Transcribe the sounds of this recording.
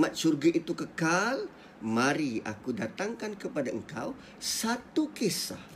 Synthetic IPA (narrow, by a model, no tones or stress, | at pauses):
mat̪̚t͡ʃurɡaʔit̪ukəkal | maɾia̰kudat̪aŋkankəpadaəŋka̰w | sat̪ukesa̰h